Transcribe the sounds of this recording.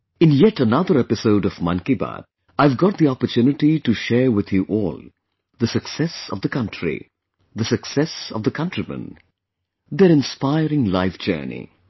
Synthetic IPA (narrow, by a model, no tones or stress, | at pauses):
ɨ̃njɛʈənʌd̪əɾɛpɪsoʊɖɔvmʌ̃nkiba̰d | aɪvɡɔʈ̚d̪iɔpəɾtʰjunɪʈiʈuʃɛːɹwɪd̪juʔɔːlˠ | d̪əsɨksɛsɔ̰vd̪əkʌ̃ntʰɹḭ | d̪əsɨksɛsɔ̰vd̪əkʰʌ̃ntɾimə̰̃n | d̪eɾɪ̃nspaɪɾɪ̃ŋlaɪfd͡ʒɜ̰ːnḭ